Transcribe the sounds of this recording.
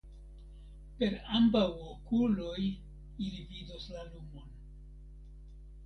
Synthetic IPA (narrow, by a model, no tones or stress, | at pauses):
pe̞ɾambawokuloj | ilividoslalumon